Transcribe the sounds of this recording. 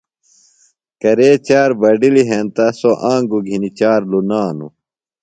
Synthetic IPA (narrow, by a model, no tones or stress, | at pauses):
kɐɾeːt͡ɕaːɾbɐɖiliɦeːnt̪ɐsoʔãːŋɡuɡʱinit͡ɕaːɾlunaːnṵ